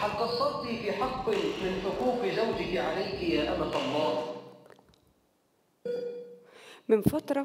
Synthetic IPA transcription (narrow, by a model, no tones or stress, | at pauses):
ħalqɑsˤːɑɾˤlifiħɑqːmɪnθʊquːfizawd͡ʒɪkiʕalajkijaʔa̰mat̪ɑmːɑːɾˤ | mɪnfɑt̪ɾˤɑ